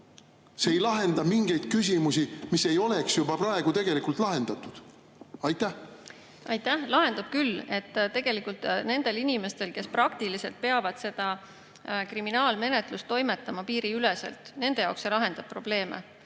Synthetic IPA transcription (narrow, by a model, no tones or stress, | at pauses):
seejlɑɦe̞nd̪̥ɑmiŋɡ̥e̞jd̪̥̚kys̬ʲimusimise̞jo̞le̞ksjubɑpɾɑeɡ̥ut̪e̞ɡ̥e̞likult̪lɑɦe̞nd̪̥ɑt̪ːˑud̪̥ | ɑjt̪ːˑæ | ʔɑjt̪ˑːæhlɑɦe̞nd̪̥ɑb̥̚kylːe̞t̪ːt̪e̞ɡ̥e̞likult̪ne̞nd̪̥e̞linime̞st̪e̞lke̞sprɑkt̪ilise̞lt̪̚pe̞ɑvɑd̪̥se̞d̪̥ɑ | kriminɑːlme̞net̪lust̪ːo̞jmet̪ːˑɑmɑpiːɾiylesḛlt̪ˑne̞nd̪e̞jɑokselɑɦe̞nd̪ɑb̥̚pːro̞ble̞ːmḛ